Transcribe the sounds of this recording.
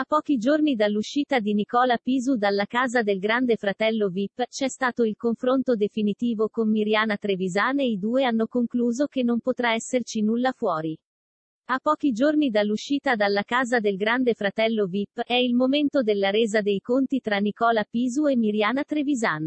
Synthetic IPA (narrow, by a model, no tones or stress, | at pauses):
apːɔːk̟id͡ʒornid̪alːuʃːiːt̪ad̪inikɔːlapiːzud̪alːakaːzad̪elɡɾand̪efɾat̪ɛlːovipːt͡ʃɛst̪aːt̪oilkoɱfɾont̪od̪efinit̪iːvokommiɾjaːnat̪ɾevizaːneid̪uːeanːokoŋkluːzok̟enːompot̪ɾaɛsːert͡ʃinulːafwɔːɾi | apːɔːk̟id͡ʒornid̪alːuʃːiːt̪ad̪alːakaːzad̪elɡɾand̪efɾat̪ɛlːovipːɛilmoment̪od̪elːaɾeːzad̪ejkont̪it̪ɾanːikɔːlapiːzuemːiɾjaːnat̪ɾevizaːn